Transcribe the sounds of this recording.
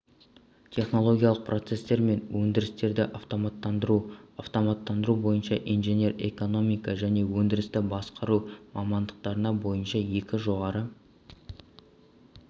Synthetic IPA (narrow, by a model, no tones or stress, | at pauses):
t̪ʲʰe̞χno̞lˠo̞ɡʲijɑlˠəq̚prʔo̞t̪se̞st̪e̞ɾme̞nwɵnd̪ɪɾɪst̪e̞ɾd̪ɪʔɑft̪o̞mɑt̪ːɑd̪ɾuɑft̪o̞mɑt̪ːɑnd̪əɾubo̞jənʃɑʔijnʒenʲe̞re̞̰ko̞no̞mijkɑʒæne̞wɵnd̪ɪɾɪst̪ɪbɑsqɑɾumɑmɑnd̪əq̚t̪ɑɾənɑbo̞jənʃɑje̞kʲɪʒo̞ʁɑɾə